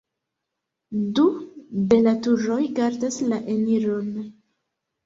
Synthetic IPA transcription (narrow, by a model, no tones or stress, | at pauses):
dube̞latuɾo̞jɡaɾdaslaʔeniɾo̞n